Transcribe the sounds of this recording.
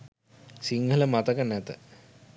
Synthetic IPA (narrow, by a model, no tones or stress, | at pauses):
siŋɡʱələmat̪əkənːæt̪ə